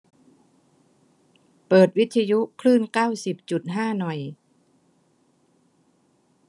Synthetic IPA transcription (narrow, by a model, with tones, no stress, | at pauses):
pɤː˨˩t̪̚wi˦˥t̪ʰːa˧ju˦˥kʰlɯː˥˩nkaː˥˩wsi˨˩p̚t͡ɕu˨˩t̪̚ɦaː˥˩nɔ˨˩j